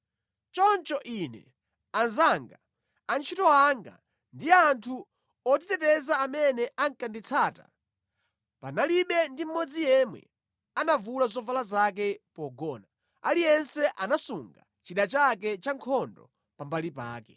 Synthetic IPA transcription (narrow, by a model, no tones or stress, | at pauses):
t͡ʃɔnt͡ʃɔʔinɛ̰ | anzaŋɡa | ant͡ʃʰitɔaŋɡa̰ | ndiantʰu | ɔt̬itɛtɛzaːmɛnɛʔaŋkandit͡sʰaːta̰ | panaliɓɛndim̩mːɔd͡zijɛmwɛ̰ | anavulazɔvalazak̬ɛpɔɡɔna | alijɛnsɛʔanasuŋɡa | t͡ʃiɗat͡ʃak̬ɛt͡ʃaŋkʰɔndɔ̰ | pambalipa̰ːkɛ